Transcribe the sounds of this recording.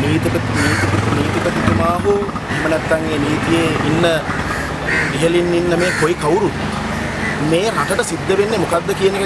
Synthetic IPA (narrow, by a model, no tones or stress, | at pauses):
niːt̪ipət̪iniːt̪ipt̪niːt̪ipət̪it̪umaːɦu | eɦmənɛt̪ːaŋeːniːt̪ijeinːə | diɦəlinːinːəmeːkojikɐwɾu | meːɾaʈəʈəsid̪ːəʋenːemukad̪ːəkijənek